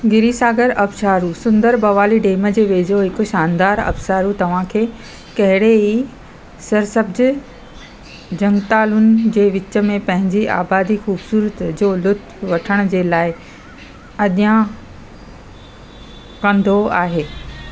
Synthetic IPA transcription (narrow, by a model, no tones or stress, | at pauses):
ɡɪɾisaːɡəɾɐbʃaːɾusʊ̃nd̪əɾbɐʋaːliɖeːmə̆d͡ʑeːʋeːd͡ʑoɦɪkʊʃaːnd̪aːɾɐ̰bʃaːɾut̪ɐʋ̤ãkʰeː | kɐɦɪɽeɦi | sɐɾsəbd͡ʑɪ̆ | d͡ʑɐ̃ŋɡt̪aːlunɪ̆d͡ʑeːʋɪt͡ɕə̆mẽpɐ̃ɦɪ̃ɲd͡ʑia̰ːbaːd̪ixuːbsuːɾət̪d͡ʑoːlʊt̪ʰ | ʋɐʈʰəɽ̃ʊ̆d͡ʑeːlaːɪ | ɐʄã | kɐ̃nd̪ʱoa̰ːɦeː